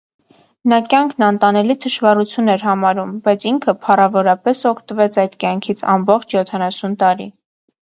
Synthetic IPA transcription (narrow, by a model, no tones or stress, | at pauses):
nɑkjɑŋkʰnɑnt̪ɑnɛlit̪ʰəʃvɑrut͡sʰjunɛɾɦɑmɑɾumbɑjt͡sʰiŋkʰəpʰɑrɑvɔɾɑpɛsɔkʰt̪əvɛt͡sʰɑjd̪kjɑŋkʰit͡sʰɑ̰mbɔχt͡ʃʰjɔt̪ʰɑnɑsunt̪ɑɾi